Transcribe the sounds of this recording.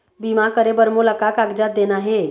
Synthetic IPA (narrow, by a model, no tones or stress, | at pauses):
bimakəɾebəɾmoləkakaɡd͡ʒat̪̚d̪enaɦe